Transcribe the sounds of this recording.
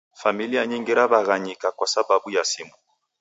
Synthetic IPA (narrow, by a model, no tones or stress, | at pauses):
familiaɲɛŋɡɛɾaβaɣaɲikakwasababujasimu